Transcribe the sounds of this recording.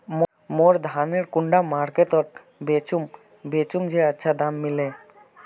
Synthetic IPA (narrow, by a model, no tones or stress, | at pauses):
m | moɾd̪ʱaneɾkuɳɖamaɾket̪ɔɾ̚ | bet͡ʃum | bet͡ʃumd͡ʒeətːʃʰad̪amːile